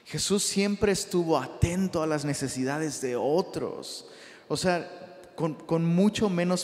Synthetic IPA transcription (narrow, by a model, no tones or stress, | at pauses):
xe̞susːje̞mpɾe̞ːst̪uβo̞at̪e̞nt̪o̞alazne̞se̞siðaðe̞zðe̞o̞t̪ɾo̞̰s | osea | konko̞nmut͡ʃo̞mẽ̞no̞s